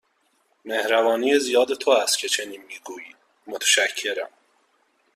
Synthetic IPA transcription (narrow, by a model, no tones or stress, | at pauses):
mehɾævɒːniːezijɒːd̪et̪ʰoæst̪cʰet͡ʃʰeniːnmiːɡuːji̥ː | mot̪ʰæ̥ʃæcʰːeɾæ̰m